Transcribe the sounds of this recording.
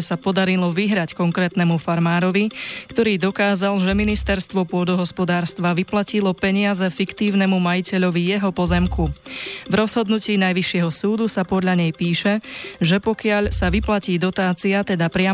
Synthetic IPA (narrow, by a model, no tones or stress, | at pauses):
sapɔd̪aɾilɔʋiɦɾackɔŋkɾɛːt̪nɛmufaɾmaːɾɔʋikt̪ɔɾiːd̪ɔkaːzalʒɛminist̪ɛɾst̪ʋɔpʊɔd̪ɔɦɔspɔd̪aːɾst̪ʋaʋiplacilɔpɛɲɪazɛfikt̪iːʊnɛmumajicɛʎɔʋijɛɦɔpɔzɛmkuvɾɔzɦɔd̪nuciːnajʋiʃɪɛɦɔsuːd̪usapɔd̪ʎaɲɛjpiːʃɛʒɛpɔkɪaʎsaʋiplaciːd̪ɔt̪aːt͡siat̪ɛd̪apɾɪa